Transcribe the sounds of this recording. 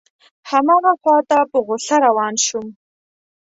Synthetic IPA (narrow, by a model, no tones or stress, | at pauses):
hamɑɣaxwɑt̪apəɣʊɬaɾawɑnʃum